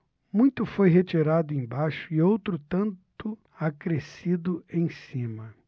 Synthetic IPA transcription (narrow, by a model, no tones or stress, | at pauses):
mũj̃t̪ʊfojɦet͡ʃiɾad̪ʊẽj̃baʃʊɪowt̪ɾʊt̪ɐ̃nt̪ʊ | akɾesid̪ʊẽj̃sĩmɐ